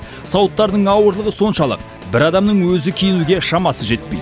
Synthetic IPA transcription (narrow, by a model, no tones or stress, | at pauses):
sɑwət̪ːɑɾd̪əɴɑwəɾlˠəʁəso̞nʃɑlˠə̰q̚ | bɪɾɑd̪ɑmnəɴwɵzɪkʲʰijɪnuɡʲe̞ʃɑmɑsəʒe̞t̪̚pejd̪